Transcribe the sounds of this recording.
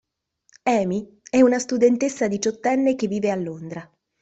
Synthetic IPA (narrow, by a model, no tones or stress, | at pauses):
ɛːmi | ɛunast̪ud̪ent̪esːad̪it͡ʃɔt̪ːɛnːek̟evːiːvealːond̪ɾa